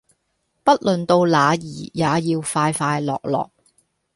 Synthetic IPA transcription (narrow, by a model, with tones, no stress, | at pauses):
pɐ˥t̚lɵ˨nt̪o˧wlaː˨˧jiː˨˩jaː˨˧jiː˧wfaː˧jfaː˧jlɔ̰ː˨k̚lɔ̰ː˨˩k̚